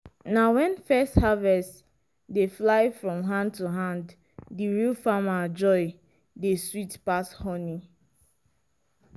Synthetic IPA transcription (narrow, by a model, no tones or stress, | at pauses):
nawɛ̃nfɛsthavɛst | deflaɪfɹɔ̃mɦãnd̚tuɦãnd | diɹilfamad͡ʒɔɪ | deswitpashɔni